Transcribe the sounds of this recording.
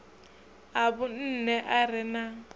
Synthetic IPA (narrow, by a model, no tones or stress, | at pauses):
aβʊn̩nɛʔarɪna